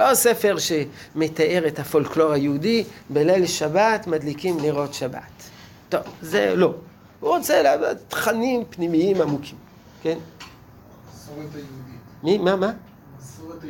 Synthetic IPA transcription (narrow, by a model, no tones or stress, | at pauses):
losefe̞ʁʃe̞met̪aʔe̞ʁet̪hafo̞lklo̞ʁhajeudibelelʃabat̪mad̪likimliʁo̞t̪ʃaba̰t̪ː | o̞vzḛlo̞ | huʁot͡seːlavat̪χanimpnimiimamukʰim | ken | mimama